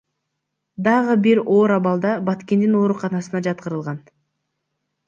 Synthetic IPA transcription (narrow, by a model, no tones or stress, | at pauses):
d̪ɑʁɯbiɾo̞ːɾɑβɑlˠd̪ɑbɑt̪ke̞nd̪ino̞ːɾuqʰɑnɑsɯnɑd͡ʒɑt̪̚qəɾɯlˠʁɑn